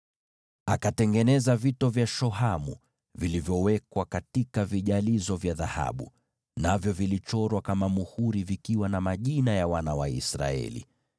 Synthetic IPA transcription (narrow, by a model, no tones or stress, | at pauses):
akatɛŋɡɛnɛzavitɔvjaʃɔɦamṵ | vilivjɔwɛkwakatikaviʄalizɔvjaðaha̰ɓṵ | navjɔvilit͡ʃɔɾwakamamuhuɾivikiwanamaʄinajawanawaḭsɾa̰ɛ̰lḭ